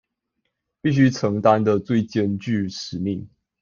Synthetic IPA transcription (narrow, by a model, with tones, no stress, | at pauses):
pi˥˨ɕ̬y˥ʈ͡ʂʰɤ˨˦ŋt̪a˦nd̪ə˨t͡swe˥˨ɪt͡ɕjɛ˥˨nt͡ɕy˥˨ʂɻ̩˨˦mi˥˨ŋ